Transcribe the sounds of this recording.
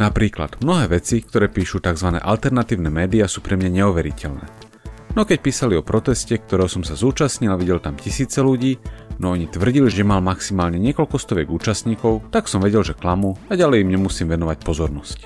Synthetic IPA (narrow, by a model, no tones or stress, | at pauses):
napɾiːkla̰d̪mnɔɦɛːʋɛt͡sikt̪ɔɾɛːpiːʃut̪aɡzʋanɛ̰ːʔalt̪ɛɾnat̪iːʊnɛːmɛːd̪iasuːpɾɛmɲaɲɛuʋɛɾicɛlnɛ̰ː | nɔkɛc̚piːsaliɔpɾɔt̪ɛscɛk̚t̪ɔɾɛːɦɔsɔmsazuːt͡ʃasɲilaʋiɟɛlt̪amcisiːt͡sɛluɟiːnɔɔɲit̪ʋr̩ɟiliʒɛmalmaksimaːlɲɛɲɪɛkɔlkɔst̪ɔʋɛɡuːt͡ʃasɲiːkɔʊt̪aksɔmʋɛɟɛlʒɛklamuaɟalɛjimɲɛmusiːmʋɛnɔʋac̚pɔzɔɾnɔsc